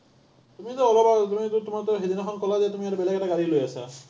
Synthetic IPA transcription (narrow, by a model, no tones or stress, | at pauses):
t̪umit̪ɔɔlɔbaɔt̪umit̪ut̪umat̪ɔɦed̪inɔxʰɔnkɔlad̪iat̪umiaɾebelakeʈaɡaɾilojasa̰